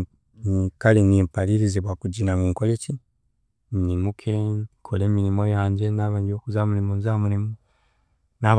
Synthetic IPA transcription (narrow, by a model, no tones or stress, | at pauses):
nikalinimpaliɾiziβwakuɟinamuŋkolet͡ʃi | nimukʰekʰoleminimo̞jaːɲɟe̞naβaːɲiokuzamulimonzamulimo | naβ